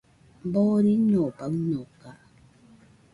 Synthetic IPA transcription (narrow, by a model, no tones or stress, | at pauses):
m̩bɔːɾiɲɔpak̚ɲɔkaʔ